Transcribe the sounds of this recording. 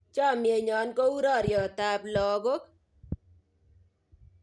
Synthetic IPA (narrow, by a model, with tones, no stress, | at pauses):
t͡ʃɔ˦˨mje˨ɲɔ˨˦nko˦u˦ɾɔ˦˨ɾjɔ˨t̪a˨˦blɔ˨ɡo˦k